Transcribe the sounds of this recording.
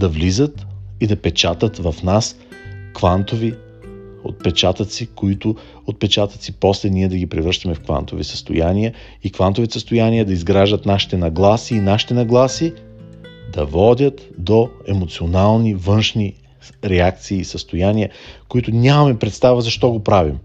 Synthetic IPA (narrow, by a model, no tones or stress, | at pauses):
d̪ɐvlizət̪id̪ɐpɛt͡ʃat̪ət̪vɐfnas | kvant̪ovi | o̰t̪̚pɛt͡ʃat̪ət̪sikoit̪ʊ | ot̪̚pɛt͡ʃat̪ət̪siposlɛniɛd̪ɐɡipɾɛvɾəʃt̪ɐmɛfkva̰nt̪ovisə̥st̪o̰janiə | ikvant̪ovit̪ɛsəst̪ojaniəd̪ɐizɡɾaʒd̪ət̪naʃi̥t̪ɛnɐɡlˠasiːnaʃi̥t̪ɛnɐɡlˠasi | d̪ɐvɔd̪ʲət̪d̪oɛmot̪sionalˠnivɤnʃni | ɾɛak̚t̪siːsəst̪ojaniəkoit̪ʊnʲamɐmɛpɾɛt̪st̪avəzɐʃt̪ɔɡopɾavim